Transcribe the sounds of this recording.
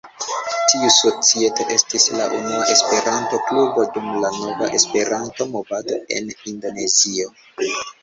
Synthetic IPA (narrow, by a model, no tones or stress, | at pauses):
tiuso̞t͡sie̞to̞ʔe̞stisla̰ʔṵnuaʔe̞spe̞ɾanto̞klubodumlano̞vaʔe̞spe̞ɾanto̞mo̞vado̞e̞̰nindo̞ne̞zio̞